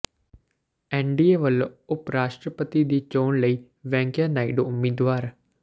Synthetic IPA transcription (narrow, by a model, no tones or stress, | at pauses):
ɛ̃ːɳɖieʋəloʊpɾaːʃʈɾəpət̪id̪iːt͡ʃoːnləiː | ʋɛ̃ːŋkjanaːiɖoʊmːiːd̪ʋaːɾ